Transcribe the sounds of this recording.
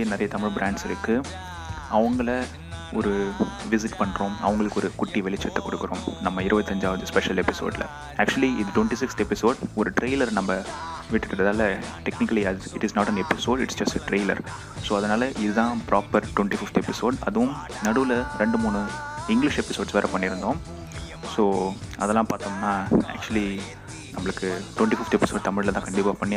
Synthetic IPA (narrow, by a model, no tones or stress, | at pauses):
nɪɾɐjɐt̪ɐmɪɻbɾãːɳɖsɪɾɯkːɯ | ɐʋɐŋɡɐɭɐ | ɔɾɯʋɪs̬ɪʈpɐɳːɾõːmɐ̰ʋɐŋɡɐɭɯkːɔɾɯkʊʈːiʋɛɭɪt͡ʃːɐt̪ːɐkɔɽɯkːɯɾõ̰ːmnɐmːɐɪɾɯbɐt̪ːɐɲd͡ʒaːʋɐðɯspɛʂɐlɛpɪso̰ːɖɪlɐ̰ | æːk̚t͡ʃʊɐliɪðɯʈʋɛɳʈisɪkst̪ɛpɪsoːɖɔɾɯʈɾeːlɐɾnɐmːɐ | ʋɪʈːɪʈːɐɾɐðaːlɐʈɛknɪkːɐliæːzɪʈɪsnɔːʈɐnɛpːɪsoːɖɪʈsd͡ʒɐsʈɐʈɾeːɪlɐ̰ɾ | soːɐðɐnaːlɐʔɪðɯðãːpɾʔaːpɐɾʈwɛɳʈifɪft̪ɛpɪsoːɖɐ̰ðɯʋʊ̃m | nɐɽɯʋlɐɾɛɳɖɯmuːnɯɪŋɡlɪʂɛpɪsoːɖsʋɛːɾɐpɐɳːɪɾɯnd̪õː | soːɐðɛlːãːpaːɾt̪õːnːaːæ̰ːk̚t͡ʃʊɐli | nɐmːɐɭɯkːɯʈwɛɳʈifɪft̪ɛpɪsoːɖ̚t̪ɐmɪɻlɐt̪ãːŋkɐɳɖɪpaːpɐɳːɪ